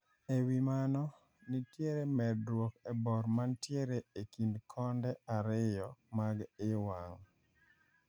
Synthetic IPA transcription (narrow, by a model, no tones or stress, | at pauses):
ewimanɔ | nitjeɾemɛddwokɛbɔɾmantjeɾeekindkʰɔndɛaɾɪjɔmaɡɪwaŋ